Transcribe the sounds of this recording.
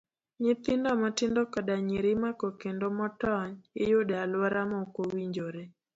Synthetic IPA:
ɲɪt̪ɪndɔmɔtɪndɔkadaɲiɾɪmakokendomɔtɔɲɪ̰jodalwaɾamɔkowiɲd͡ʒoɾe

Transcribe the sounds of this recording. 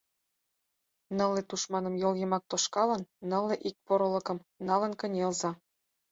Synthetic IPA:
nɤ̆lːet̪uʃmɑnɤ̆mjoljɤmɑk̚t̪oʃkɑlɤ̆nːɤ̆lːeʔik̚poɾɤ̆lɤ̆kɤ̆mnɑlɤ̆nkə̆nʲelzɑ

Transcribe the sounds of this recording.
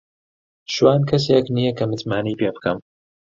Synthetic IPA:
ʃwaːnkʰɐs̬eeknijɐkɐmɨt̪maːnijpeːbɨkʰɐm

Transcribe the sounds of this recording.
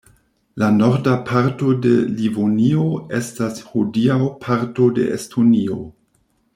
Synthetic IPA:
lano̞ɾdapʰaɾto̞de̞livonioe̞stashodiawpʰaɾto̞de̞̰ʔḛstʰonio̰

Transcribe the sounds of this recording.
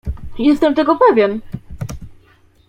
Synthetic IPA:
jɛst̪ɛmt̪ɛɡɔpɛvʲjɛn

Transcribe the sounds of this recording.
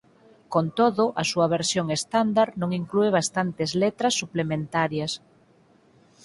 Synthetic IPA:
kont̪oðʊʔasuɐβ̞eɾsjoŋest̪and̪aɾnõŋiŋklueβ̞ast̪ant̪ezlet̪ɾasːuplemẽnt̪aɾjas

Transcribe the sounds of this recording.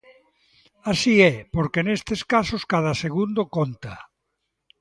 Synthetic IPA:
asiɛpoɾkenest̪eskasoskað̞aseɣ̞und̪okont̪a

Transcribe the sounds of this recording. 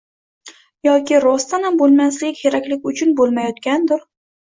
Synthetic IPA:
jɒkʲɪɾɒst̪anambolˠmaslɪkʲʰeɾakʲlɪkʲʊt͡ʃʰʊnbolˠmajɒt̪kʲand̪ʊɾ

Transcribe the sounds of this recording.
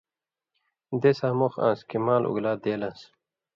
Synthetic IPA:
d̪esaːmoxã̰ːskimaːlʔṵɡlaːd̪eːlɐ̃ns

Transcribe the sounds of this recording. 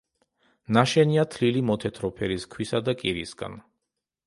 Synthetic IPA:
naʃɛniat̪ʰlilimɔt̪ʰɛt̪ʰɾɔpʰɛɾiskʰwisad̪akʼiɾisɡa̰n

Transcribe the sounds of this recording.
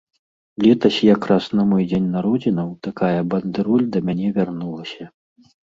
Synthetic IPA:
lʲɛt̪ɐsʲjakɾasnɐmɔjd͡zʲenʲnaɾɔd͡zʲinɐwt̪akajɐbɐnd̪ɨɾulʲd̪ɐmʲanʲɛvʲarnulˠɐsʲɐ

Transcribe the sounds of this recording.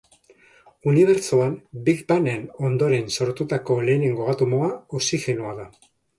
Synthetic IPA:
uniβ̞e̞ɾt͡soambikbane̞no̞nd̪o̞ɾe̞nso̞ɾt̪ut̪ako̞le̞ːne̞ŋɡoɣat̪umo̞aosixe̞noaða

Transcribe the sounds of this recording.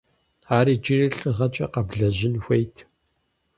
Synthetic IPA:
aːɾiːd͡ʒirɨɬʼɨʁɐt͡ʃʼɐ̰qɐbɮɐʑɪnxʷejtʰ

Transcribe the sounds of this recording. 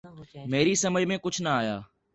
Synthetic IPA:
meːɾiːsəməd͡ʒʱmẽːkʊt͡ʃʰnəaːjaː

